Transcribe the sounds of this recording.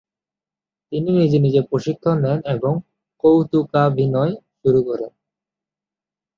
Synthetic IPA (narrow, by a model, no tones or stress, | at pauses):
t̪ininid͡ʑenid͡ʑepɾoʃikʰːonːɛneboŋ | kowt̪ukabʱinɔeʃuɾukɔɾen